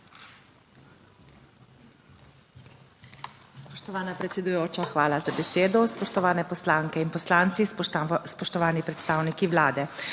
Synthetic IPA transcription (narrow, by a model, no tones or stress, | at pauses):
spɔʃt̪ɔʋaːnapɾɛt̪sɛd̪ujoːt͡ʃaxʋaːlazabɛseːd̪ɔspɔʃt̪ɔʋaːnɛpɔslaːŋkɛinpɔslaːnt̪sispɔʃt̪ɔʋaːnipɾɛt̪st̪aːwnikiʋlaːd̪ɛ